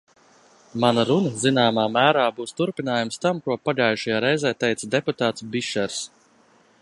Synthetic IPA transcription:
manɐɾunəzinaːmaːmæːɾaːbuːst̪uɾpinaːjumst̪amkuɔpaɡajʃajaːɾɛjzɛːt̪ɛjt̪sɐd̪ɛput̪aːt̪sbiʃɛɾs

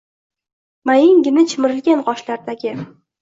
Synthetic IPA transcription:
majɪŋɡʲɪnɪt͡ʃʰɪmɪɾɪlɡʲanqɒʃlaɾd̪aɡʲɪ

